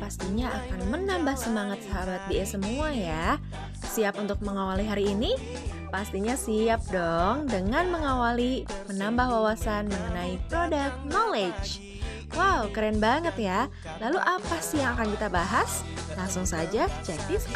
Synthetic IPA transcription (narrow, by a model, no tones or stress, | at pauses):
past̪iɲaakanmənambahsəmaŋat̪̚səɦabat̪̚diɛsəmuaja | siap̚unt̪ʊk̚məŋawaliɦaɾiːni | past̪iɲasiap̚dɔŋdəŋanməŋawalimənambahwawasanməŋənaipɾodak̚t̪̚noled͡ʒ | wawkəɾɛnbaŋət̪ja | laluʔapasijaŋakankit̪abaɦaslaŋsʊŋsad͡ʒad͡ʒad̪ɪs